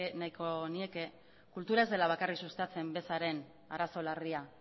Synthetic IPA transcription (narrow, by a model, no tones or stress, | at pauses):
enajko̞nie̞ke | kult̪uɾae̞zðe̞laβ̞akariksust̪at͡se̞mbe̞saɾe̞n | aɾaso̞laria